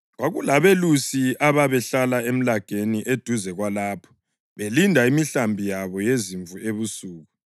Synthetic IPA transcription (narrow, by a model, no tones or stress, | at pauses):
ɣwaɣulaβelusiaβaβɛɬalaem̩laɡ̥ʱeniʔed̥ʱuzɛɣwalaːpʰɔ̥ | βelindʱaimiɬambʱijaβɔjeziɱvueβusuːɣu